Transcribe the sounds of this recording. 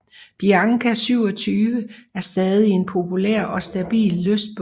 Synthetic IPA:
b̥iɑ̈ŋkʰæsyʊ̰ɒ̽t͡sʰyːʋəæɐsd̥ɛːð̞ˠie̝npʰo̝pʰuleɐ̰ɒ̽sd̥æb̥ḭːlːøsd̥̚b̥

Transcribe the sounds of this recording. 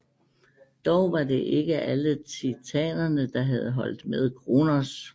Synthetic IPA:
d̥ɒʊʋɑ̈d̥e̝ʔe̝ɡ̥əʔælət͡sʰit͡sʰɛ̰ːnɐnəd̥ɑ̈ɦæð̞ˠɦɒ̽l̰d̥með̞ˠkʰʁonɐs

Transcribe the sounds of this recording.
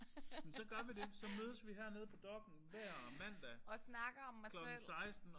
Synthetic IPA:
mensɒ̽ɡ̥ɶɐʋide̝sɒ̽møːðˠəsʋiɦæɐ̰ne̝ð̞ˠpʰɒ̽d̥ɒ̽ɡ̥n̩ʋæɐ̰ɒmæn̰d̥æɒsnɑ̈ɡ̥ɐɒmːaklɒ̽ɡnl̩̰sɑ̈ɪsd̥n̩

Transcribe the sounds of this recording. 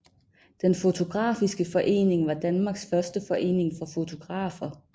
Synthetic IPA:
d̥enfo̝t͡sʰo̝ɡ̥ʁɑ̰̈ːfisɡ̥əfɒ̽ʔe̝̰ːne̝ŋʋɑ̈d̥ænmɑ̈ːɡ̥sfɶɐsd̥əfɒ̽ʔe̝̰ːne̝ŋfɒ̽fo̝t͡sʰo̝ɡ̥ʁɑ̰̈ːfɐ

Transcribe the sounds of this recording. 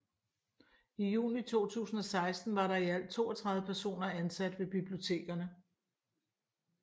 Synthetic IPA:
ijṵːnit͡sʰo̝̰ːt͡sʰṵːsn̩ɒ̽sɑ̈ɪsd̥n̩ʋɑ̈ɾɑ̈iæl̰d̚t͡sʰo̝ːɐt͡sʰʁɑ̈ðˠəpʰæɐso̝̰ːnɐænsæd̥ʋe̝b̥ib̥lio̝t͡sʰe̝̰ːɡ̥ɐnə

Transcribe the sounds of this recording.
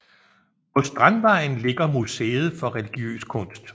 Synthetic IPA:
pʰɒ̽sd̥ʁɑnʋɑ̈ɪn̩le̝ɡ̥ɐmusḛːð̞̩ˠfɒ̽ʁɛliɡ̥iø̰ːskʰɔ̽n̰sd̥

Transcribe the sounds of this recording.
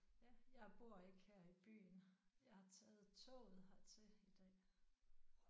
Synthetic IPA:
jæjɑ̈ɪb̥o̝ɐ̰e̝ɡ̥heɐ̰ib̥y̰ːnjɑ̈ɪhɑ̈t͡sʰɛːð̞̩ˠt͡sʰɔ̰ʊð̩ˠɦɑt͡sʰe̝id̥ɛ̰ː

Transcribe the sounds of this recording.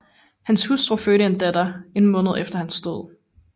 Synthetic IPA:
hænshusd̥ʁoføɾəend̥æd̥ɐe̝nmɔ̽ːnð̞̩ˠefd̥ɐhænsd̥o̝ð̞̰ˠ

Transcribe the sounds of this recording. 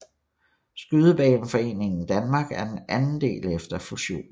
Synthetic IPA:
sɡ̥yð̞ˠəb̥ɛ̰ːn̩fɒ̽e̝̰ːne̝ŋn̩d̥ænmɑ̈ːɡ̥æɐ̥enænn̩d̥e̝̰ːlefd̥ɐfuɕo̝̰ːn

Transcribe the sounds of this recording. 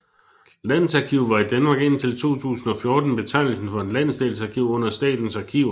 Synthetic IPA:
læn̰̩sɑ̈kʰiʊʋɑ̈id̥ænmɑ̈ɡ̥e̝n̰t͡sʰe̝lt͡sʰo̝̰ːt͡sʰṵːsn̩ɒ̽fjɔ̝ːd̥n̩b̥e̝t͡sʰɑ̈ɪ̰nl̩sn̩fɒ̽e̝nlæn̰̩sd̥elsɑ̈kʰiʊɔ̽n̰ɐsd̥ɛ̰ːd̥n̩sɑ̈kʰiʊ

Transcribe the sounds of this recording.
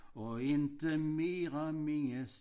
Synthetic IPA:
oɪnt̪əmeːʁəmɪŋəs

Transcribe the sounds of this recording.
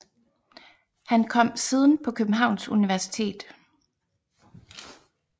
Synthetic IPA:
hænkʰɒ̽m̰siːð̞ˠn̩pʰɒ̽kʰøb̥n̩ɦɑ̈ʊ̰nsuniʋæɐsi̥t͡sʰe̝̰ːd̥

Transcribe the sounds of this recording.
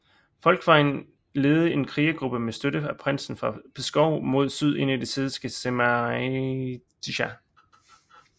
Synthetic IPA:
fɒ̽l̰ɡ̥fɑ̈ɪn | le̝ːð̞̩ˠəe̝nkʰʁiːəɡ̥ʁub̥əmesd̥øɾəæpʰʁan̰sn̩fʁɑ̈pʰesɡ̥ɒʊ̰mo̝ð̞̰ˠsyð̞̰ˠe̝n̰id̥e̝seðˠisɡ̥əsem | d̥iɕæ

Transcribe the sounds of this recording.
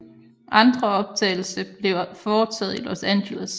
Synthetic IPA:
ʔɑ̈nd̥ʁɐɒ̽b̥̚t͡sʰɛ̰ːɪl̩səb̥le̝ʊfɒːt͡sʰɛð̞̩̰ˠilɒsænɕeləs

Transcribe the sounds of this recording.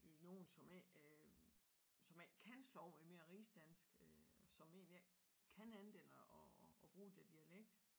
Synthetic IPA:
no̝ːn̩sɒ̽me | sɒ̽me̥kʰænslɒʊ̰meme̝ːɐʁiːsd̥æn̰sɡ̥ɒsɒ̽me̝̰ːniæ | kʰænænʋ̥en̰əʔɒːb̥ʁuːd̥eɐd̥iæleɡ̥̚d̥

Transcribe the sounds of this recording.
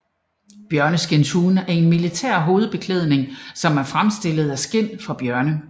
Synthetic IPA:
b̥jɶɐnəsɡ̥ent͡sʰuːnæɐe̝nmilit͡sʰɛ̰ɐ̰ɦo̝ːð̞̩ˠb̥e̝kʰleð̞̰ˠne̝ŋsɒ̽mæɐfʁamsd̥e̝lð̞̩ˠæsɡ̥en̰fɒ̽b̥jɶɐnə

